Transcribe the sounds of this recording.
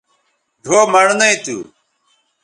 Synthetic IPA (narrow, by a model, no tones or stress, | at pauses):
ɖʱoːmɐɽnɐit̪ṵ